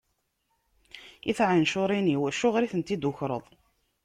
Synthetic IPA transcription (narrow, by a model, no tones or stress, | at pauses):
iθʕanʃʊɾˤiniwæʃʊʁɾiθənt̪id̪ʊçɾˤə̰ðˤ